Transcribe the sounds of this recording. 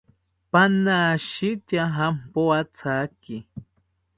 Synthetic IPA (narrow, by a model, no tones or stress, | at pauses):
panaʃit̪jaɦampoat͡sʰaki